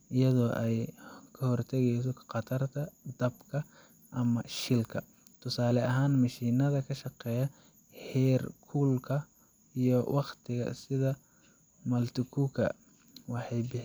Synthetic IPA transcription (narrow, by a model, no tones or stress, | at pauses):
ʔɪjɐðɔːʔɛjkʰɐhɔrt̪ʰɛɣɛjsɔqɑt̪ʰɐrt̪ʰɐd̪ɐbkʰɐ | ʔɐmɐʃɪlkʰɐ | t̪ʰʊsaːlɛʔɐɦaːnmɐʃiːnɐðɐkʰɐʃɑqɛːjɐ | ħɛːrkʰuːlkʰɐ | ijɔwʔɑqt̪ʰɪɣɐ̰sɪðɐ | mɐlt̪ʰɪkʰukʰɐ̰ | wɑħɑjbɪħ